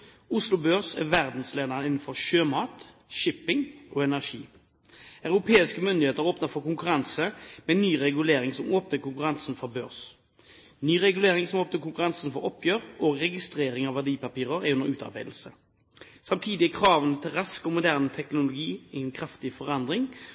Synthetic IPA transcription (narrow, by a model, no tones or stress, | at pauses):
ʊslʊbøːʁsɛ̰ʋæʁd̪n̩sleːd̪ɑnəɪnːənfɔʁʃøːmɑːt̪ | ʃɪpɪŋʔɔːɛnæʁʂḭː | ɑʉɾʊpʰeːɪskəmʏnd̪ɪheːt̪əɾoːpnəfɔkʊŋkʉɾɑnsəmɛnyːʁɛɡʉleːɾɪŋsɔmoːpnəkʰʊŋkʉɾɑnsnfɔɾbø̰ːʁs | nyːʁɛɡʉleːʁɪŋsɔmoːpnəkʊŋkʉʁɑnsn̩fɔɾɔpʰːjøːʁɔʁɛɡɪst̪ɾeːɾɪŋɑʋæɖiːpɑpiːʁəʁɛʉnəɾʉːt̪ɑ̰ʁbæɪd̪l̩sə | sɑmt̪ʰiːd̪ɪkʰʁɑːʋənət̪ʰɪlʁɑskɔmʊd̪æːʁnət̪ʰɛknʊlʊɡiːɛnkʰɾɑft̪ɪfɔʁɑnd̪ʁɪŋ